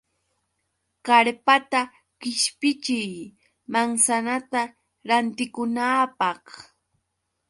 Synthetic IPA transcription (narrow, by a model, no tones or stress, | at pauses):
kaɾpat̪a | kɪʃpɪt͡ʃɪj | maŋsanat̪a | ɾant̪ɪkʊnaːpɑχ